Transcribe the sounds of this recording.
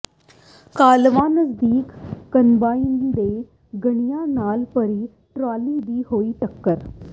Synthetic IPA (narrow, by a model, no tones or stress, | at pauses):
kaːlʋaːnəsd̪iːkːənbaːind̪e | ɡəɳijanaːlpəɾi | ʈɾaːliːd̪iːhoːiːʈəkːəɾ